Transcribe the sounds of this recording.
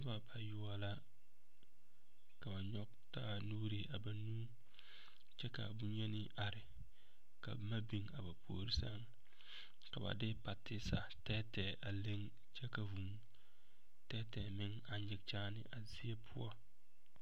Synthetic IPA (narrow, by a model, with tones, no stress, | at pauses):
ɪ˦ba˨ba˨jʊ˦a˦la˦ | ka˨ba˨ɲɔ˦k | taː˦nuː˦ɾi˨ʔa˨ba˦nuː˦ | t͡ʃɛ˦ka̰˨bu˦ɲɛ˦nɪ˦ʔa˨ɾɪ˨ | ka̰˨˦ma˦bi˨ŋa˨ba˨pʰo̰ː˨ɾi˦sa˦ŋ | ka˨ba̰˨dɪ˦pa˨tɪ˦sa̰˨tɛː˦tɛ˨ʔa˨le˦ŋ | t͡ʃɛ˦ka˨vu˨m | tɛ˦tɛː˨mɪ˦ŋ | a˨ɲɪ˨k̚t͡ʃaː˦nɪ̰˦ʔa˨zi˦e˦pʰʊ˦ɔ˦